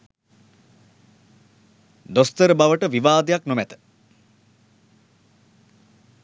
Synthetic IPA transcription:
d̪ost̪əɾəbaʋəʈəʋiʋaːd̪ejaknomæt̪ə̥

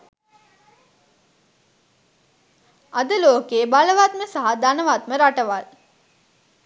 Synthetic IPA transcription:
ad̪əloːkeːbaləʋat̪̚məsaɦad̪anəʋat̪̚məɾaʈəʋal

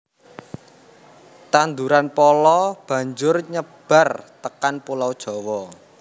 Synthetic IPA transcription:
t̪and̪uɾanpɔlɔb̥ä̤ɲd͡ʒʊrɲəb̥a̤rt̪əkanpulawd̥ʒ̥ɔ̤wɔ

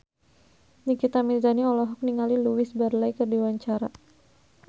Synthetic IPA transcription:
nikit̪amilzaniɔlɔɦɔk̚niŋaliluwɪsbarlaikərdiwaɲt͡ʃaɾa

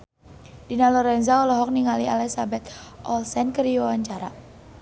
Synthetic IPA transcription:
dinalɔɾɛnzaɔlɔɦɔk̚niŋalialɛsabɛt̪ʔɔlsɛnkəriwawaɲt͡ʃaɾa̰

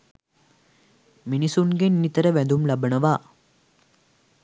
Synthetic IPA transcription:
minisunɡenːit̪ɐɾɐʋɛnd̪umlɐbʱɐnɐʋaː

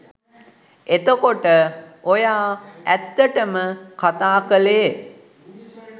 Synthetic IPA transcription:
et̪əkoʈəojaːæt̪ːəʈəməkat̪aːkəle

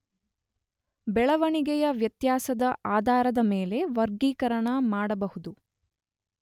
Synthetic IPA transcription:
bɛɭɐʋɐɳiɡɛjɐʋjɐt̪jaːsɐd̪ɐʔaːd̪ʱaːɾɐd̪ɐmeːle̞ʋɐɾɡiːkɐɾɐɳɐmaːɽɐbɐhud̪u

